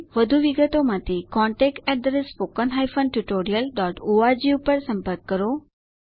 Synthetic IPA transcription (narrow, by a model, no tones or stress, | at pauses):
ʋəd̪ʱuʋiɡət̪omat̪ʰekɔɳʈɛk̚ʈɛɖ̪ɾesfokənɦajfənʈuʈoɾijəlɖɔʈoad͡ʑiupəɾsə̃mpəɾkːəɾo